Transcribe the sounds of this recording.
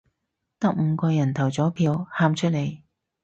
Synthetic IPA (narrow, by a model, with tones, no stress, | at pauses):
t̪ɐ˥k̚m̩ː˨˧kɔː˧jɐ˨˩nt̪ʰɐ˨˩wt͡sɔː˨˥pʰiː˧whaː˥mt͡ʃʰɵ˥t̚le˨˧j